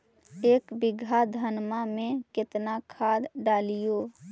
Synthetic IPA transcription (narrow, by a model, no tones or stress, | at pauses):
eːkbɪɡʱad̪ʱənmamẽkɪt̪nakʰaːd̪ɖaːlijoː